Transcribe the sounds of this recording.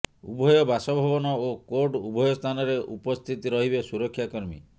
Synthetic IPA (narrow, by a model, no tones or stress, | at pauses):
ṵbʱɔjɔbasɔbʱɔbɔnɔokoɾɖubʱɔjɔst̪ʰanɔɾeʔupɔst̪ʰit̪iɾɔɦibesuɾɔkʰːjakɔɾmḭ